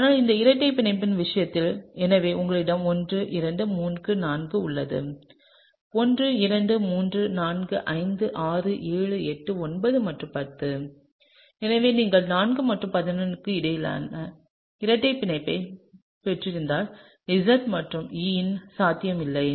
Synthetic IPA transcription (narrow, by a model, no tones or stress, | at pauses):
aːnaːlɪnd̪ɐɪɾɐʈːɐɪpːɪnɐɪpːɪnʋɪʂɐjɐt̪ːɪlɛnɐʋeːʔʊŋɡɐɭɪɽɐmɔndrɯʔɪɾɐɳɖɯmuːnɡɯnaːnɡɯʊɭːɐðɯ̰ | ɔndrɯɪɾɐɳɖɯmuːndrɯnaːnɡɯʔɐɪnd̪ɯʔaːrɯʔeːɻɯɛʈːɯɔnbɐðɯmɐʈrɯ̃mpɐt̪ːɯ | ɛnɐʋeːniːŋɡɐɭnaːnɡɯmɐʈrɯ̃mpɐðɪnɐnɯkːɯɪɽɐjla̰ːnɐ | ɪɾɐʈːɐɪpːɪnɐɪpːɐɪ | pɛʈrɪɾɯnd̪aːl | ɪsɐt̪mɐʈrɯmiːnsaːt̪ːɪjɐmɪlːɐɪ